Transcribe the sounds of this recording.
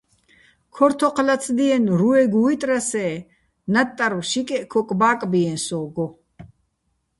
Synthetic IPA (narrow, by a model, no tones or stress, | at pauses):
kʰɔɾt̪ʰɔqʰlat͡sʰd̪iɛnɾuɛɡuit̪ʼɾasɛː | nat̪ʼːaɾwʃikʼɛʔkʰɔkʼbaːkʼbiɛnsɔːɡɔ